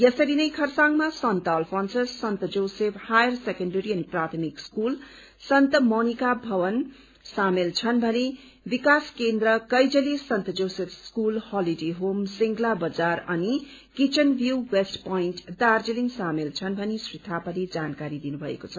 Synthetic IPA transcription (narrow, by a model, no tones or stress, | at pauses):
jʌsʌɾinʌjkʰʌrsaŋmasʌnt̪ʌlpʰʌnsʌssʌnt̪ʌd͡zowsepʰhajʌrsekʌɳɖʌɾiʌniprat̪ʰʌmikskul | sʌnt̪ʌmonikabʱʌwʌn | samelt͡sʰʌnbʱʌne | bikaskend̪rʌkʌjd͡zʌlisʌnt̪ʌd͡zowsepʰskulhɔliɖeɦomsiŋɡlabʌd͡zarʌnikit͡ʃʌnbʱjuwesʈpoinʈd̪ard͡zeliŋsamelt͡sʰʌnbʱʌnesrit̪ʰapaled͡zankaɾid̪inubʱʌḛkot͡sʰʌ